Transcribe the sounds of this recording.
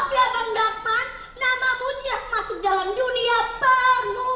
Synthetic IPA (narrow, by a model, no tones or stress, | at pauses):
flak̪əndapanː | amamut͡ʃiak̚masʊk̚dalamduniabaru